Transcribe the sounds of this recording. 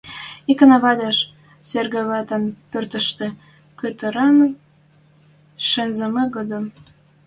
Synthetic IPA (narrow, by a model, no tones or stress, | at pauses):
ikə̆nɑβɑd̪ɑʃ | serɣĕβɑt̪ə̆npørt̪ə̆ʃt̪ĕ | køt̪ə̆ɾɑn | ʃĕnzəmɤɣod̪ən